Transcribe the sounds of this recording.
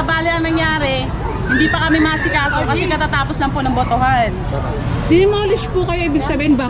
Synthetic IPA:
ɐbaːlɪʔɐŋnɐŋjaːɾɛ | hɪnd̪iːpɐkɐmɪmɐʔɐsɪkaːsokɐsɛkɐt̪at̪aːposlɐŋponɐŋbot̪oɦan | d̪ɪɐmɐlɪspʊkɐjoʔibɪɡsɐbiːɪnba

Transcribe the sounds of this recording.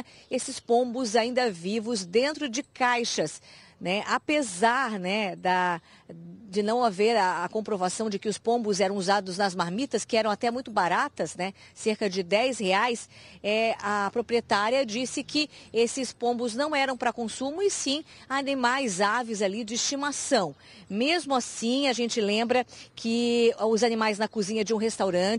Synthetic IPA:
esɪspõbʊzaĩnd̪ɐvivʊzd̪ẽnt̪ɾʊd͡ʒɪkajʃɐsnɛʔapezaɾnɛd̪ɐ | d͡ʒɪnɐ̃w̃aveɾɐːkõpɾovasɐ̃w̃d͡ʒɪkɪʊspõbʊzɛɾɐ̃w̃uzad̪ʊznɐzmaɾmit̪ɐskɪɛɾɐ̃w̃at̪ɛmũj̃t̪ʊbaɾat̪ɐsnɛseɾkɐd͡ʒɪd̪ɛjsheajsɛɐpɾopɾiet̪aɾjɐd͡ʒisɪkɪesɪspõbʊznɐ̃w̃ɛɾɐ̃w̃pɾɐkõsũmʊɪsĩanimajzavɪzalid͡ʒɪist͡ʃimasɐ̃w̃ | mezmʊasĩaʒẽnt͡ʃɪlẽmbɾɐkʰɪʊzanĩmajznɐkuzĩɲɐd͡ʒɪũɦest̪awɾɐ̃t͡ʃɪ

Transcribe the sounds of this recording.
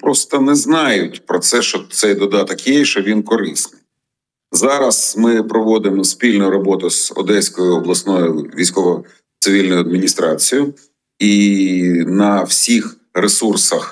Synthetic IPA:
pɾɔst̪ɐnɛznɑjʊtʲpɾɔt̪sɛʃt͡ʃɔt̪sɛjd̪ɔd̪ɑt̪ɐkjɛʃt͡ʃɔʋʲinkɔɾɪsnɪj | zɑɾɐsmɪpɾɔʋɔd̪ɪmɔspʲilʲnʊjʊɾɔbɔt̪ʊz̥ɔ̰d̪ɛsʲkɔjʊɔblˠɐsnɔjʊʋʲijsʲkɔʋɔ | t̪sɪʋʲilʲnɔjʊɐd̪mʲinʲist̪ɾɑ̰t͡sʲijʊ | i | nɐwsʲix | ɾesursɐx

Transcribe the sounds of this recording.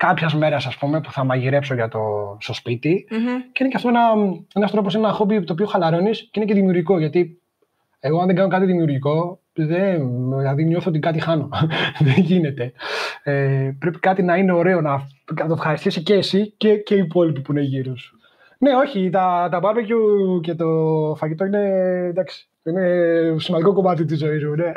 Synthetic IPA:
kɐpçɐzme̞ɾɐsɐspume̞pu̥θɐmɐʝiɾe̞pso̞ʝɐt̪o̞st̪o̞spit̪iceinecɐft̪oenɐe̞nɐst̪ɾo̞posinenɐxo̞bit̪opio̞xɐlɐɾo̞nisceineceðimiuɾʝiko̞ʝɐt̪i | eɣoɐnðeɡɐno̞kɐt̪iðimiuɾʝiko̞ | ðenðilɐðinoθoot̪ikɐt̪̬ixɐno̞ðeɲʝine̞t̪e̞epɾe̞pi̥kɐt̪inɐine̞o̞ɾe̞onɐɐt̪ofxɐɾist̪isicesiceceipo̞lipipuine̞ʝiɾus | ne̞o̞çit̪ɐt̪ɐbɐvecuce̞t̪o̞fɐʝit̪o̞ine̞d̪ɐksi̥ | inesimɐnd̪ikoko̞mɐt̪it̪izo̞izmune̞

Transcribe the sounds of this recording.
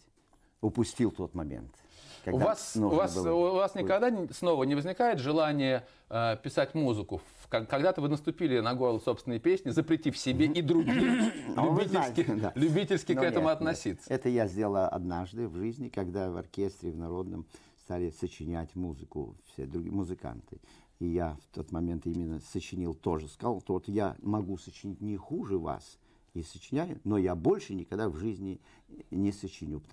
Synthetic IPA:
ʊpʊsʲtʲilˠt̪o̞t̪mɐmʲḛnt̪ | kɐɡʊd̪vasʊvasʊvasnʲɪkɐɡd̪asno̞vənʲɪvəzʲnʲɪkajɪt̪ʐɨlˠanʲɪjə | əpʲɪsatʲmuzɨkʊ | kakɐɡd̪at̪əvɨnəst̪ʊpʲilʲɪnɐɡo̞rlˠəso̞pst̪ʲɪnəjəpʲesʲnʲɪzəpɾʲɪtʲifsʲɪbʲeʔid̪ɾʊɡʲilʲʊbbʲitʲɪlskʲɪd̪alʲʊbʲitʲɪlʲskʲɪɛt̪əmʊɐt̪nɐsʲit̪sːəɛt̪əjazʲdʲelˠɐ̰d̪naʐd̪ɨvʐɨzʲnʲɪkɐɡd̪avɐ̰rkʲe̞st̪ɾʲɪvnɐɾo̞d̪nəm | st̪alʲɪsət͡ɕɪnʲætʲmuzɨkʊ̰fsʲḛd̪ɾʊmʊzɨka̰nt̪ɨ | ijaft̪ʰo̞t̪mɐmʲe̞nt̪imʲɪnːəsət͡ɕɪnʲilˠt̪o̞ʐɨskɐzalˠt̪oot̪ja̰mɐɡusət͡ɕɪnʲit̚ʲnʲɪxuʐɨva̰s | isət͡ɕɪnʲælʲɪnojabo̞lʲʂɨnʲɪkɐɡd̪avʐɨzʲnʲɪ | nʲɪsət͡ɕɪnʲupə

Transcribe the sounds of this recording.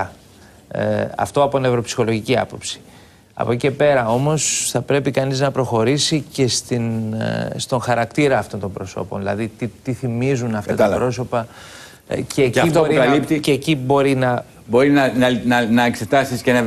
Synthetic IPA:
ɐ̰ft̪o̞ɐpot̪ine̞vɾo̞psi̥xo̞lo̞ʝiciɐ̰po̞psi̥ | ɐ̰poce̞pe̞ɾɐo̞mo̞sθɐpɾe̞pikɐniznɐpɾo̞xo̞ɾisice̞st̪inst̪o̞ŋxɐɾɐkt̪iɾɐːft̪o̞nt̪ombɾo̞so̞̰po̞nðilɐ̰ðit̪it̪iθimizunɐft̪ɐt̪ɐpɾo̞so̞pɐ | ceib̪oɾikɐlipt̪iecibo̞ɾinɐ | bo̞ɾinɐnɐnɐnɐekse̞t̪ɐsiscenɐ

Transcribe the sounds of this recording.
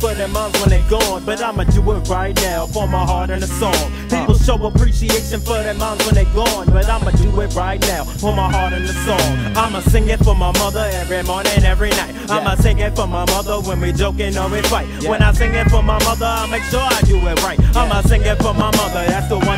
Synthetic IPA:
fə˞ðɨmʌ̃nswə̃nðeɪɡoʊə̃nbʌɾãɪ̃mad̥ɨɪt̚ɹaɪtⁿnaʊfə˞maɪɦɑɹɾɨ̃nðəsɔ̃ŋ | pipl̩ˠʃoʊəpʰɹ̥iʃieɪʃɨ̃nfə˞ðɨmʌ̃nswə̃nðeɪɡoʊə̃nbʌɾãɪ̃maɪd̥ɨɪt̚ɹaɪtⁿnaʊfə˞maɪɦɑɹɾɨ̃nðəsɔ̃ŋãɪ̃masɪ̃ŋɪtfə˞maɪmʌðə˞ɛvɹimɔɹnɪ̃ŋɛvɹinaɪtãɪ̃maɪsɪ̃ŋɪtfə˞maɪmʌðə˞wə̃nwid͡ʒoʊkɪ̃nɔwɪ̥faɪt̚wə̃naɪsɪ̃ŋɪtfə˞maɪmʌðə˞ãɪmeɪkʃʊɹaɪdɨɪt̚ɹaɪt̚ãɪ̃maɪsɪ̃ŋɪtfə˞maɪmʌðə˞ðætsðəwʌ̃n

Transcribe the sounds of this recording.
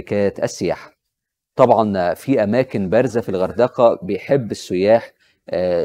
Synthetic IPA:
kæːjt̪ʔæ̰sːɪjaħḁ | t̪ˤɑbʕɑnfiʔæmæːkɪnbæɾzæfilɣɑɾˤd̪ɑːqɑbejħebːɪsːʊjaːħ

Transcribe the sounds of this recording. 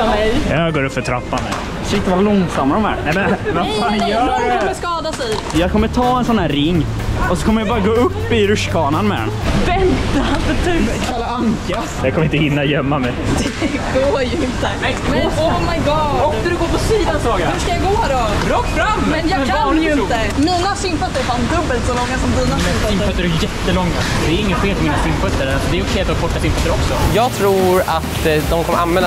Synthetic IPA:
mɛjjɑɡoːɾɵpfœʈʰɾa̰pːanɛ̰ | skaɪ̃nt̪ːvalɔŋsamːaɾɔmæ̰nɛmɛnvafanjʰɔmːəskɑːd̪asɛj | jɑkʰɔmːət̪ʰɑːɛnsɔnːæːɾɾɪŋː | ɔsɔkʰɔməɾjabɑːɾaɡoːɵpːɪɾɵʂkʰɑːnanmɛd̪ɛ̰nvɛnt̪afətʰʉkalaaŋka | jɑkʰɔməɪnəhɪnːajœmːamɛj | ɡoːɾjɵɪnt̪əmɛɔmajɡɑɔknæɾɵɡoːpʰɔsiːd̪asɾɑɡahʉʂkajaɡoːɾɔɾɔːkːbɾammɛnjɑajɪnt̪ə | miːnasʏmfœt̪ːəɾfand̪ɵbːəlt̪sɔlɔŋːasɔmd̪iːnaɛsɪmfœt̪ːəɾɖjɛt̪ːəlɔŋːa̰d̪ɛːɾɪŋːənfeːlfɔɾmiːnasʏmfœt̪ːəɾalsɔd̪ɛːjəɔkʰɛjat̪ɔbɔʈːasɪmfœt̪ːəɾɔksɔjɑːɡt̪ʰɾuːɾat̪d̪ɔmkʰɔmːəɾanmɛːl

